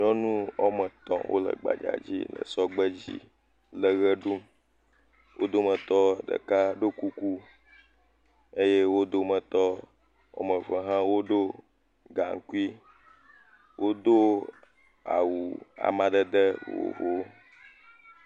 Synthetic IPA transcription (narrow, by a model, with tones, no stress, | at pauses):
ɲɔ̃˦nũ˦ɔ˦mə˨t̪ɔ̃˨wʔo̰˦lə̰˨ɡ͡ba̰˨d͡ʒa̰˨d͡ʑḭ˦lə̰˨sɔ˦ɡ͡bə˦d͡ʑḭ˦ | lə˨ɣə˦ɖu˦m | wʔo˦d̪o˦mə̃˨t̪ɔ˦ɖə̰˨ka˦ɖo˦ku˦ku˦ | e˦je˦wo˦d̪o˦mə̃˨t̪ɔ˦ | ɔ̰˨mə̃˨və˨ɦã˦wo˦ɖo˦ | ɡa˨ŋ˨ku˦i˦ | wʔo˦d̪o˦ | a̰˨wu˨a̰˨mã˨d̪ə˦d̪ə˦wo̰˨vo˨˦